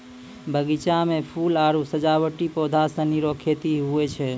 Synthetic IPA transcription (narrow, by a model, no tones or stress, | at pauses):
bʱəɡit͡ʃamepʰulaɾusəd͡ʒawəʈipod̪ʱasə̃niɾokʰet̪iɦuɛt͡ʃʰɛ